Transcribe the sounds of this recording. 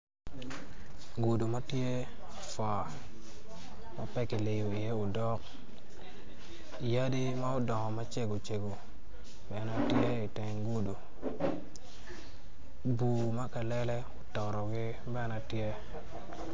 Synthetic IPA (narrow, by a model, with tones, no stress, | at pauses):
ɡu˨du˨ma˦tje˦ | fwa˨ | ma˦pɛ˦kɪ˨le˨jo˨i˨je˦ʊ˨dɔ˦k̚ | ja˦di˦ma˦ʊ˦dɔ˨ŋɔ˨ma˦t͡ʃe˦ɡo˨t͡ʃe˨ɡo˨ | bɛ˨˦na˨tje˦i˨tɛ˨ŋɡu˦du˨ | bu˨ma˦ka˨lɛ˦lɛ˦ʊ˨tɔ˨ɾɔ˨ɡɪ˦ | bɛ˦na˨tje˦